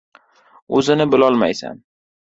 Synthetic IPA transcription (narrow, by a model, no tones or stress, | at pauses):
ɵzɪnɪbɪlɒlˠma̰jsa̰n